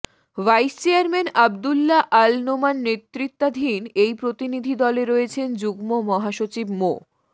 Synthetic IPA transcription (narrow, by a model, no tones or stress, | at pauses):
ʋajst͡ɕeaɾmenab̚d̪ulːaʔalnomanːet̪ːɾit̪ːad̪ʱinejpɾot̪inid̪ʱid̪ɔleɾoet͡ɕʰend͡ʑuɡmomɔɦaʃot͡ɕibmo